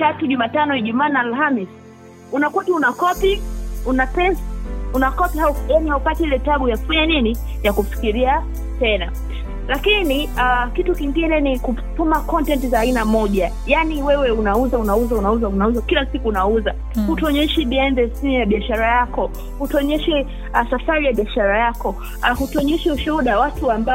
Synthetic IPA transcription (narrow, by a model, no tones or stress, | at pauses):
tatuʄumaːtanɔɛʄumaːnaːlɦamis | unakwatiunakɔpiunapɛsḁunakɔpihaujanihaupatiilɛtaɡujafuɲanini | jakufi̥kiɾia | tɛna | lakiniakitukiŋɡinɛnikutumakɔntɛntizaːinamɔʄa | janiwɛwɛunauzaunauzaunauzaunauzakilasikuːnauza | hutɔɲɛʃiɓiɛndɛsimujaɓiaʃaɾajakɔ | hutɔɲɛʃɛ | asafaɾijaɓiaʃaɾajakɔ | ahutɔɲɛʃɛuʃuɗawatuamba